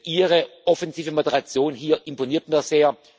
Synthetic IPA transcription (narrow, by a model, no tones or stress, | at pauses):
ʔiːʁəʔɔfɛnziːvəmodəʁat͡sjoːnɦiːɐʔɪmponiːɐtmiɐz̥eːɐ